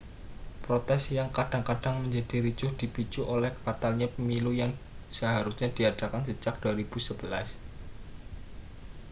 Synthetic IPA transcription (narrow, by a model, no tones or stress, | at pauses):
pɾot̪ɛsjaŋkad̥aŋkaɖ̥aŋməɲd͡ʒad̥iɾit͡ʃʊhd̥ipit͡ʃuʔolɛhfat̪alɲapəmilujaŋ | səɦaɾusɲad̥iadakansət͡ʃak̚d̥uaɾib̥usəb̥əlas